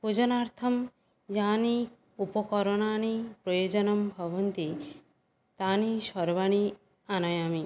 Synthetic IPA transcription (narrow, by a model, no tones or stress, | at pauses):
pud͡ʒɔnaɾt̪ʰɔm | jani | upɔkɔɾɔñañipɾɔjod͡ʒɔnɔmbʱɔbɔnt̪i | t̪aniʃɔɾbaɽ̃i | anajami